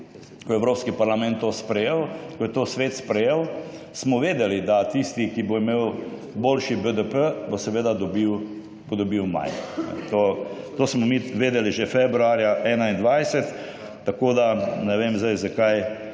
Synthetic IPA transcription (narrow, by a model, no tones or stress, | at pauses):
kɔɛwɾoːpskipaɾlamɛ̃nt̪ːospɾɛjewkɔjɛt̪oːsʋeːt̪spɾɛjew | smɔʋeːd̪ɛlid̪at̪ist̪ikiboimeːw | boːlʃibəd̪əpəbosɛʋeːd̪ad̪ɔbiw | bod̪ɔbiwma̰jnɛ̰t̪ot̪oːsmɔmiʋeːd̪ɛliʒefebɾuaːɾjaʔɛːnaind̪ʋajsɛt̪ː | akoːd̪anɛʋemzd̪ajzakaj